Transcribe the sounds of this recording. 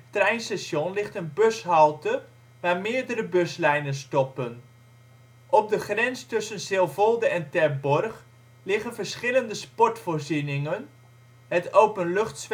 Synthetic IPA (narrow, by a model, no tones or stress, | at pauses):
trɛjnsaʃjɔnlɪχtənbøsɦɑlˠtə | ʋaːɹmɪːɹdəɾəbɵslɛjnənstɔpən | ʔɔb̚dəχrɛnstɵsənsɪlˠvɔlˠdəɛntɛɹbɔrχ | lɪχənvəɹsχɪləndəspɔɹtfʊːɹzinɪŋən | ɦətowpənlɵχtsʋ